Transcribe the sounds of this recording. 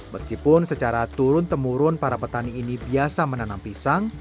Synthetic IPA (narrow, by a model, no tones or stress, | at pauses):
məskipʊnsət͡ʃaɾat̪uɾʊnt̪əmuɾʊnpaɾapət̪aniːnibiasamənanampisaŋ